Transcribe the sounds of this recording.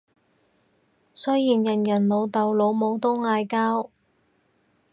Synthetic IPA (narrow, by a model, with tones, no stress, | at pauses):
sɵ˥jjiː˨˩njɐ˨˩njɐ˨˩nlo˨˧wt̪ɐ˨wlo˨˧wmo˨˧wt̪ʊ˥ŋŋaː˧jkaː˥w